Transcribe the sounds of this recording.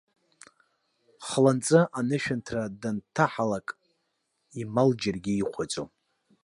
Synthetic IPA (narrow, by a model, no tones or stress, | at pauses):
χlant͡sʼɨʔanɨʃᶣantʰradantʰaħalakʼ | imald͡ʒarɡʲiːχʷʰat͡sʼo